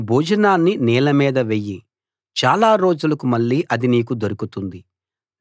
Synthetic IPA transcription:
bʱuːd͡ʒɐnaːnːinɛːlɐmiːd̪ɐʋejːi | t͡ʃaːlaːɾo̞ːd͡ʒulɐkumɐɭːiːʔɐd̪iniːkud̪oɾukut̪und̪i

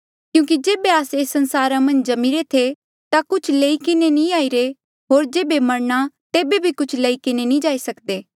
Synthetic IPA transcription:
kjũːkid͡ʒeːbeaːseːsːɐ̃nsaːɾãmɐ̃nd͡ʒd͡ʒɐmiɾet̪ʰe | t̪akʊt͡ʃʰleikɪnenĩaːiɾe | ɦoːɾd͡ʒeːbemɐɾñat̪eːbebʱikʊt͡ʃʰlɐikɪnenĩd͡ʒaːisɐkd̪eː

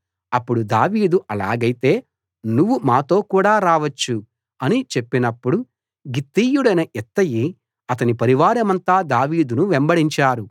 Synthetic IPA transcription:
ɐpːuɽud̪aːʋiːd̪uʔɐlaːɡɐjit̪e̞ː | nuʋːumaːt̪o̞ːkuːɽaːɾaːʋɐt͡ʃːu | ɐnit͡ʃe̞pːinɐpːuɽu | ɡit̪ːijuɽɐjnɐʔɛt̪ːɐji | ɐt̪ɐnipɐɾiʋaːɾɐmɐnt̪aːd̪aːʋiːd̪unuʋembɐɽiɲt͡ʃaːɾu

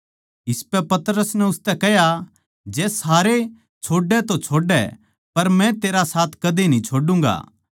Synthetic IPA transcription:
ɪspɛpɐt̪ɾəsnɛʊst̪ɛkɛɦja | d͡ʒɛːsaːɾe | t͡ʃʰoːɖɛt̪ot͡ʃʰoːɖɛ̰ | pɐɾmɛ̃t̪eːɾasaːt̪ʰkɐd̪inĩt͡ʃʰoːɖũːŋɡa̰ː

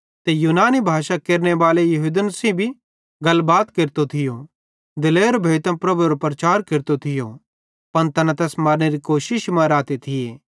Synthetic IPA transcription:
t̪ejuːnaːnibʱaːʃakeːɾnebaːlejɐɦud̪ənsĩbʱi | ɡɐlbaːt̪keɾt̪ot̪ʰɪjo | d̪ɪleːɾbʱeːt̪ɐ̃pɾɐbuɾopɾɐt͡ʃaːɾkeɾt̪ot̪ʰɪjo | pɐnt̪ɐnãt̪ɛːsmaːɾneɾikoːʃɪʃmɐ̃ɾaːt̪et̪ʰɪjeː

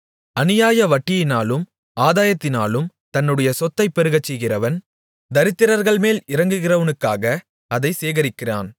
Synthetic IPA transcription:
ɐnɪjaːjɐʋɐʈːɪjɪnaːlɯm | ʔaːðaːjɐt̪ːɪnaːlɯmt̪ɐnːɯɽɐjɐsɔt̪ːɐɪpːɛɾɯɣɐt͡ʃːɛjɣɪrɐʋɐn | d̪ɐɾɪt̪ːɪɾɐɾɣɐɭmeːlɪɾɐŋɡɯɣɪrɐʋɐnɯkːaːɣɐ | ɐðɐɪseːɣɐɾɪkːɪra̰ːn

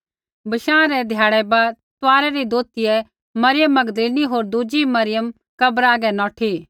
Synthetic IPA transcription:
bɐʃãːɾɛd̪ʱjaːɽɛbat̪ʊaːɾɛɾid̪oːt̪iɛ | mɐɾɪjəmːɐɡd̪liːniɦoːɾd̪ud͡ʒimɐɾɪjəm | kɐbɾaːɡɛnɔːʈʰi

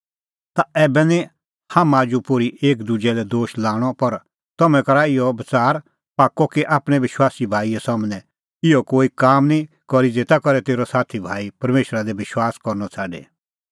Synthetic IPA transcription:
t̪aɛːbɛnĩ | hamãd͡ʒupoɾiʔeːkd̪ud͡ʒɛlɛd̪oːʃlaːɽ̃ɔpɐɾ | t̪ɐmɛ̃kɐɾaɪjɔbɐt͡saːɾ | paːkːɔkiʔaːpɽ̃ɛ̃ʋɪʃwaːsibʱaːiɛsɐmnɛ̃ | ɪjɔkoːikaːmnĩ | kɔɾid͡zeːt̪akɔɾɛt̪eːɾɔsaːt̪ʰibʱaːipɐɾmeːʃɾad̪ɛʋɪʃwaːskɔɾnɔt͡sʰaːɖḛː

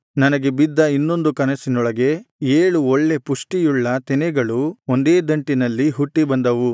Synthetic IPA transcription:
nɐnɐɡe̞bid̪ːɐinːo̞nd̪ukɐnɐsinɔɭɐɡe̞eːɭuoɭːe̞puʂʈijuɭːɐt̪ɛnɛɡɐɭuond̪eːd̪ɐɳʈinɐlːiɦuʈːibɐnd̪ɐʋu

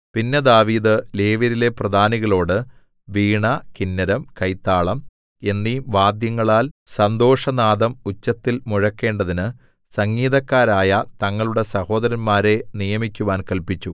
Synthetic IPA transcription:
pinːed̪aːʋiːd̪ɨle̞ːʋɐɾile̞prɐd̪ʱaːniɣɐɭo̞ːɽɨ | ʋiːɳɐkinːɐɾɐmkɐjt̪ːaːɭɐm | e̞nːiʋaːd̪jɐŋːɐɭaːlsɐnd̪o̞ːʂɐnaːd̪ɐmut͡ɕːɐt̪ːilmuɻɐkːe̞ːɳɖɐðinɨ | sɐŋːiːðɐkːaːɾaːjɐt̪ɐŋːɐɭuɽe̞sɐho̞ːd̪ɐɾɐnmaːɾe̞nijɐmikʲːuʋaːnkɐlpit͡ɕːu

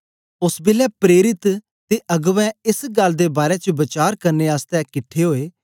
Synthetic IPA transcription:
ʊsbɪlɛːpɾeːɾɪt̪ | t̪eːʔəɡʋɛ̃ːɪsɡəld̪eːbaːɾɛːt͡ʃəbət͡ʃaːɾkəɾneːaːst̪ɛ̃ːkɪʈʰːeːɦoːeː

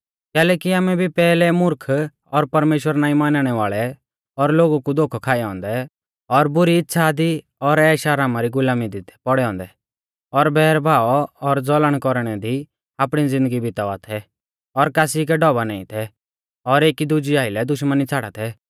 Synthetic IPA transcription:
kɛːlɛːkiaːmɛbʱipɛːlɛmʊɾkʰ | ɔɾpɐɾmeːʃwəɾnaːĩmaːnaɽ̃ɛʋaːɭɛ | ɔɾloːɡukud̪oːkʰɔkʰaːɛɔ̃ːnd̪ɛ | ɔɾbʊɾiɪtːʃʰad̪i | ɔɾɛːʃaɾaːmaɾiɡʊlaːmid̪ɪt̪ʰɛpɔɽɛɔ̃ːnd̪ɛ | ɔɾbɛːɾbʱaːɔɔɾd͡zɔləɽ̃kɔɾɽ̃ɛd̪i | aːpɽ̃id͡zɪ̃nd̪əɡibɪt̪aat̪ʰɛ | ɔɾkaːsik̬ɛɖɔbanaːḭ̃t̪ʰɛ | ɔɾeːkid̪ʊd͡ʒiaːɪlɛd̪ʊʃmənit͡sʰaːɽa̰t̪ʰɛ

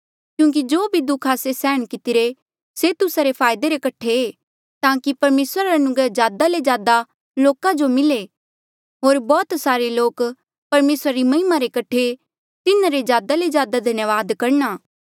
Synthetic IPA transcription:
kjũːk̬id͡ʒoːbʱid̪ukʰaːsesɛːəɽ̃kɪt̪ɪɾe | set̪ʊsaɾepʰaːjd̪eɾekɐʈʰeeː | t̪aːkipɐɾmeːsɾaɾaɐnʊɡɾed͡ʒjaːd̪aled͡ʒjaːd̪a | loːkãd͡ʒomɪle | ɦoːɾbɔːt̪saːɾeloːk | pɐɾmeːsɾaɾimɐɦɪmaɾekɐʈʰe | t̪ɪnãɾed͡ʒjaːd̪aled͡ʒjaːd̪ad̪ʱɐnjəʋaːd̪kɐɾnaː

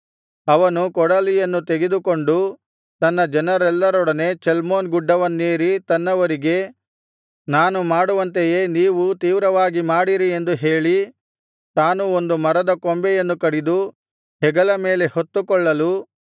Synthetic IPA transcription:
ɐʋɐnukɔɽɐlijɐnːut̪eɡed̪ukoɳɖu | t̪ɐnːɐd͡ʒɐnɐɾɛlːɐɾɔɽɐnet͡ʃɛlmoːnɡuɖːɐʋɐnːeːɾit̪ɐnːɐʋɐɾiɡe̞ | naːnumaːɽuʋɐnt̪eje̞ːniːʋut̪iːʋɾɐʋaːɡimaːɽiɾie̞nd̪uɦe̞ːɭi | t̪aːnuo̞nd̪umɐɾɐd̪ɐkombɛjɐnːukɐɽid̪u | ɦɛɡɐlɐme̞ːle̞hot̪ːukɔɭːɐlu

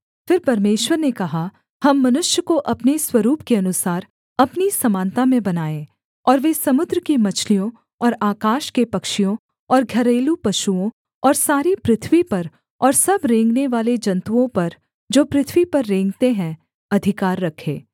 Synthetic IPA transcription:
fɪɾpɐɾmeːʃwəɾnekɐɦa | hɐmːɐnʊʃjəkoʔɐpneswɐɾuːpkeɐnʊsaːɾ | ɐpnisɐmãːnt̪amẽbɐnaːẽ | ɔːɾʋeːsɐmʊd̪ɾəkimɐt͡ʃʰlijõ | ɔːɾaːkaːʃkepɐkʃijõ | ɔːɾɡʱɐɾeːlupɐʃuõ | ɔːɾsaːɾipɾɪt̪ʰʋipɐɾ | ɔːɾsɐbɾẽːŋɡneʋaːled͡ʒɐ̃nt̪uõpɐɾ | d͡ʒoːpɾɪt̪ʰʋipɐɾːẽːŋɡt̪eɦɛ̃ | ɐd̪ʱɪkaːɾːɐkʰḛ̃ː

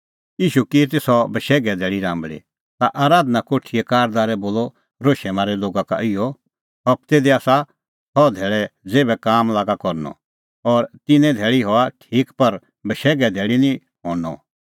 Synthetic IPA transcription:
jiːʃukit̪esɔbəʃɛːɡɛd̪ʱɛːɭiɾãːmbɭḭ | t̪aʔaːɾaːd̪nakoːʈʰiɛkaːɾd̪aːɾɛboːlɔ | ɾoːʃɛmaːɾɛloːɡaka̰ʔɪjɔ | ɦɐpt̪eːd̪iaːsa | sɔd̪ʱɛːɭɛd͡zeːbɛkaːmlaːɡakɔɾnɔ̰ | ɔːɾt̪ɪnɛ̃d̪ʱɛːɭiɦɔaʈʰiːkpɐɾ | bəʃɛːɡɛd̪ʱeːɭinĩ | ɦɔːnɔ̰

